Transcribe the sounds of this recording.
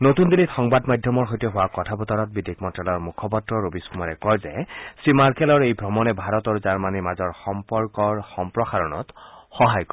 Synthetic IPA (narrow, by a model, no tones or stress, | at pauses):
not̪und̪ilitxɔŋbadmadʱjɔmɔɹɦojtɛɦʊwakɔtʰabɔtɔɹɔt̚bidikmɔntɹalɔɹmukʰɔpɔtɹɔɹobiskumaɹɛkɔɹzɛ̰sɹimaɹkɛlɔɹejbʱɔmɔnɛbʱaɹɔtaɹuzaɹmanimazɔɹxɔmpɔɹkɔɹxɔmpɹɔxaɹɔnɔ̰txɔɦajkɔ